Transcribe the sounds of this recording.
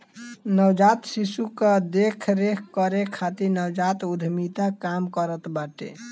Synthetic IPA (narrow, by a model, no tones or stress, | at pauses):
nəwd͡ʒat̪sisukəd̪ekʰɾekʰkəɾekʰːat̪inəwd͡ʒat̪ud̪ʱmit̪akamkəɾət̪baʈḛ